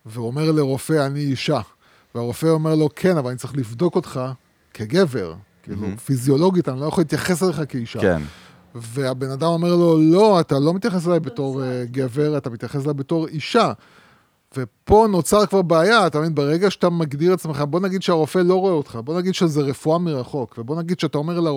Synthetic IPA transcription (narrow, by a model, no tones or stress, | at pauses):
veome̞ʁle̞ʁo̞fe̞aniiʃa | veaʁo̞fe̞o̞me̞ʁlo̞kʰe̞navalanitt͡saʁiχlivd̪o̞ko̞tχa | kʰe̞ɡe̞ve̞̰ʁkḭːlṵfizio̞lo̞ɡitanilojaχolːitjaχe̞sele̞χakeiʃa̰n | veabe̞nadamo̞me̞ʁlo̞lo̞at̪alo̞mit̪jaχes̬elajbeto̞ʁɡe̞ve̞ʁatamit̪jaχes̬elajbe̞toʁiʃa | ve̞po̞no̞t͡saʁkvaʁbeajat̪avinbeʁe̞ɡaʃeatamaɡdiʁeat͡smeχabo̞naɡid̪ʃeaʁo̞fe̞lo̞ʁoeot̪χabo̞naɡid̪ʃezeʁe̞fuamiʁaχo̞kve̞bo̞naɡid̪ʃeataome̞ʁla